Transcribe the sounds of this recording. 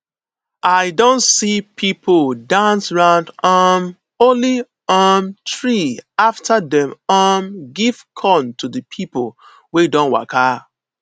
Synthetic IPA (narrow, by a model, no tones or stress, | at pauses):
ʔaɪdõntsipʰipʰldãnsɹãʊ̃ndɔm | oli | ɔmtɹiaftʰadɛ̃mɔmɡiv̥kʰɔ̃ntʰudəpʰipol | wedɔ̃nwa̰kʰa